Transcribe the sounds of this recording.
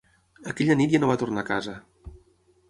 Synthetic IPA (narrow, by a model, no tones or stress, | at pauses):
əkɛʎənit̪janoβat̪urnakazə